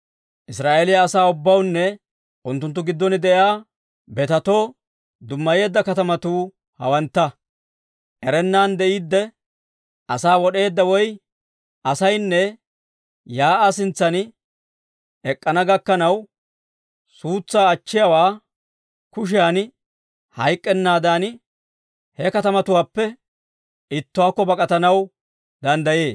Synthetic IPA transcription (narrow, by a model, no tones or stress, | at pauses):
ʔɪsɾaːʔeːlɪjɐːsaːʊbːɐwnːɛ | ʔʊnt̪ːʊnt̪̬ːʊɡɪd̪ːɔnɪd̪ɛʔjaː | bɛt̪ɐt̪o̞ː | d̪ʊmːɐje̞ːd̪ːɐkɐt̪ɐmɐt̪uː | hɐ̰wɐnt̪ːɐ | ʔɛɾɛnːaːnd̪ɛʔiːd̪ːɛ | ʔɐsaːwɔɗe̞ːd̪ːɐwɔj | ʔɐsɐjnːɛ | jaːʔasɪnt͡sːɐn | ɛkʼːɐnɐɡɐkːɐnɐw | suːt͡sːaːt͡ʃːɪjɐwaː | kʊʃ̬ɪjaːn | hɐjkʼːɛnːaːd̪aːn | hɛkɐt̪ɐmɐt̪ʊwaːpːɛ | ɪt̪ːʊwaːkːɔbɐkʼɐt̪ɐnɐw | d̪ɐnd̪ɐje̞ːs